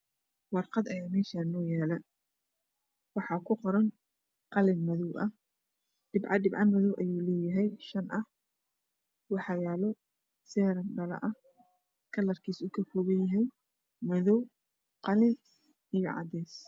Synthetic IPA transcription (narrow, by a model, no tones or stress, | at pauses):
wɑrqɑd̪ɐjaːmɛːʃaːnɔːjaːlɐ | wɑħɑːkʰʊqɔɾɐn | qɑlɪnmɐðɔwʔɐh | ɖ̥ɪbʕɑɖɪbʕɑmɐðɔwʔɐjuːlɛːjɐɦɛjʃɐnʔɐh | wɑħɑjaːlɔ | sɛːɾɐnɖɐlɐ̰ʔɐh | kʰɐlɐrkʰiːsʊkʰɐkʰɔːɣɐjjɐɦɛj | mɐðɔw | qɑlɪn | ijɞʕɑ̰d̪ɛːs